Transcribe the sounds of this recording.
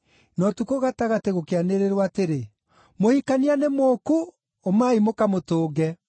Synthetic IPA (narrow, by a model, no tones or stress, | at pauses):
nɔtukoɣataɣateɣokeaneɾeɾwaːteɾe | mohikanianemoku | omaimokamotoːɣɛ